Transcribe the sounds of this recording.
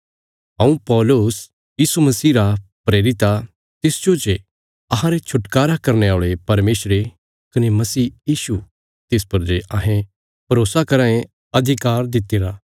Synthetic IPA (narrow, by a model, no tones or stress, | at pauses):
ɦɐ̃ũpɔːlʊs | jiːsumɐsiːɾapɾeːɾɪt̪a | t̪ɪsd͡ʒot͡ʃe | ɐɦãɾet͡ʃʰʊʈkaːɾakɐɾneaːɭepɐɾmeːsɾe | kɐnemɐsiːjiːsu | t̪ɪspɐɾd͡ʒeʔɐɦẽ | pɐɾoːsakɐɾãːẽ | ɐd̪ʱɪkaːɾd̪ɪt̪ːɪɾaː